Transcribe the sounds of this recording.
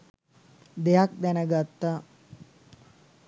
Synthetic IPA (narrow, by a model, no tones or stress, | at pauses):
d̪ejak̚d̪ænəɡat̪ːa